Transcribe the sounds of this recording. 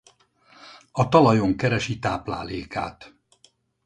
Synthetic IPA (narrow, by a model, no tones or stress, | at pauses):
ɒt̪ɒlɒjoŋkɛɾɛʃit̪aːpla̰ːleːka̰ːt̪